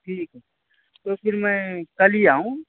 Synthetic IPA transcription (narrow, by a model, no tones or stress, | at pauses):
ʈʰiːkɦɛ | t̪oːpʰɪɾmɛ̃kəliaːɦũ